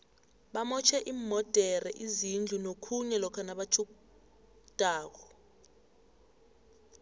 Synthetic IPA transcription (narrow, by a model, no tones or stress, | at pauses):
ɓamɔt͡ʃʰɛʔimmːɔd̥ʱɛrɛʔizind͡ɮʱunokʰuɲɛlɔkʰanaɓat͡ʃʰuku | d̥ʼʱaːk̬ɔ